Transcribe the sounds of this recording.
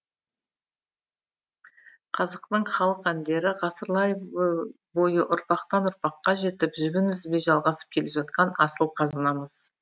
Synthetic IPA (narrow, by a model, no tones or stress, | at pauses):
qʰɑzəqt̪əɴχɑlˠəqænd̪e̞ɾɪʁɑsəɾlˠɑj | bo̞jəʔʊɾpɑqt̪ɑnʊɾpɑqːɑʒe̞t̪ɪpʒʏɡʲɪnʏzɪbe̞ʒɑlˠʁɑsə̥p̚kʲʰe̞lepʒɑt̪qɑnɑsəlˠqʰɑzɑnɑməz̥